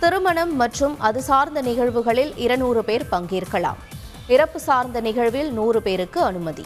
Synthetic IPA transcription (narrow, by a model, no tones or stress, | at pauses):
t̪ɪɾɯmɐɳɐmːɐʈrɯmɐðɯsaːɾnd̪ɐnɪɣɐɻʋɯɣɐɭɪlɪɾɐnuːrɯpeːɾpɐŋɡiːɾɣɐɭa̰ːm | ɪɾɐpːɯsaːɾnd̪ɐnɪɣɐɻʋɪlnuːrɯpeːɾɯkːɯɐnɯmɐðḭ